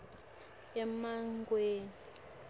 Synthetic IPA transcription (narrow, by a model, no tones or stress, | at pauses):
ɛmaŋɡweːni